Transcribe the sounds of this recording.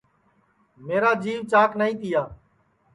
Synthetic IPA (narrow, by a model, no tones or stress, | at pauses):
meːɾaːd͡ʒiːʋt͡ʃaːknaːĩːt̪ʰɪjaː